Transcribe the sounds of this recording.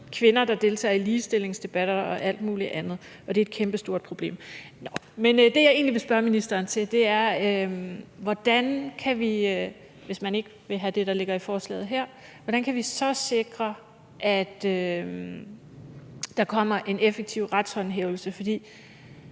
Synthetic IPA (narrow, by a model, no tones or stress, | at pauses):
kʰʋe̝nɐd̥ɑ̈d̥e̝lt͡sʰɛ̰ːɐiliːsd̥e̝le̝ŋsd̥e̝b̥æɾ̥ɐɒ̽ʔæl̰d̥muːliʔænð̞̩ˠ | ʔɒ̽d̥e̝ed̥kʰemb̥əsd̥o̝ɐd̥̚pʰʁo̝b̥le̝̰ːmnɒ | mend̥e̝jɑ̈ɪe̝̰ːnliʋe̝sb̥ɶɐminisd̥ɐːnt͡sʰe̝d̥e̝æɐøʋɒd̥ænkʰæʋi | ʋe̝smæne̝ɡ̥əʋe̝ɦæd̥e̝ɾ̥ɑ̈le̝ɡ̥ɐifɒːslɛ̰ːð̩ˠɦæɐ̰ | ʋɒɾ̥ænkʰæʋisɒ̽se̝ɡ̥ʁɐ | ʔæd̥ø | d̥ɑ̈kʰɒ̽m̰ɐʔe̝nefeɡ̥̚t͡sʰiʊ̰ʁad̥shɒ̽nɦeːʊl̩səfɒ̽d̥ḭː